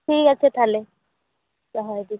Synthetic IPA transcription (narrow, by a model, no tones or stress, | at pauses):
tʰikasɛtʰalɛ | zɔɦɔjdi